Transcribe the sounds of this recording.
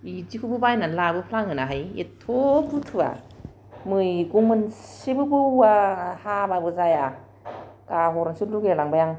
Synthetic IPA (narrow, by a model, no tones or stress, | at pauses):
izikʰubɯbajnalabɯpʰlaŋhɯnaɦajḛtʰoputʰɯba̰ | mɯjkuŋmɯnsibɯbɯwahababɯzaja | kaɦɔɾansutluɡelaŋbajaŋ